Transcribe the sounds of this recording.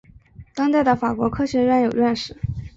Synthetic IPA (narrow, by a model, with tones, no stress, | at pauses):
t̪ɑ˥ŋt̪a˥˩ɪd̪ə˩fa˨˩kwɔ˧˥kʰɤ˥ɕɥɛ˧˥ɥɛ˥˩njo˨˩ʊɥɛ˥˧nʂɻ̩˥˩˦